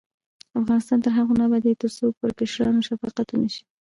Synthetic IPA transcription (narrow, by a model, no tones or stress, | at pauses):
afɣɑnɪst̪ɑnt̪əɾɦaɣonabad̪et̪əɾsok̚pəɾkɪʃɾɑnoʃafɑqat̪unaʃi̥